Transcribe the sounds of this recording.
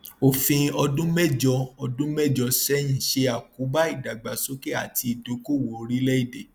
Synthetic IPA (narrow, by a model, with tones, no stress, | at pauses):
o˨fĩ˧ɔ˧dũ˦mɛ˦d͡ʒɔ˧ɔ˧dũ˦mɛ˦˨d͡ʒɔ˧sɛ˨˦j̃ĩ˨ʃe˧a˨ku˨˦ba˦i˦˨da˨ɡ͡ba˨so˦ke˦a˦˨ti˧i˨do˨˦ko˦˨wo˨o˧ɾi˦lɛ˦i˦˨de˨